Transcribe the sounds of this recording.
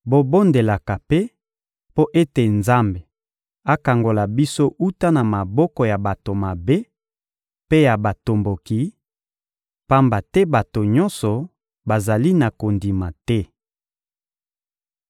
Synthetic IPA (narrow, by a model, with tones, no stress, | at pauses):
bo˨bo˦nde˨la˨ka˨pe˦ | po˦ʔe˦te˨nza˦mbe˨ | a˦ka˨ŋɡo˨la˨bi˦so˦ʔu˦ta˦na˨ma˨bɔ˦kɔ˨ja˨ba˨to˨ma˨be˦ | pe˦ja˨ba˨to˨mbo˨ki˨˦ | pa˦mba˨tɛ˦ba˨to˨ɲɔ˦nsɔ˨ | ba˨za˨li˦na˨ko˨ndi˨ma˨tɛ˦